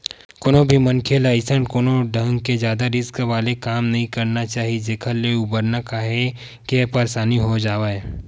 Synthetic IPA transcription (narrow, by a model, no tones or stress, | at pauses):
koːnõbʱimɐnkʰelaɪsəɳkoːnoɖʱɐ̃ŋɡkezjaːd̪aɾɪskʋaːlekaːmnɐɦĩkɐɾnat͡ʃaːɦid͡ʒeːkʰəleʊbəɾnakaːɦe | keɛpɐɾsaːniɦod͡ʒaːʋaːe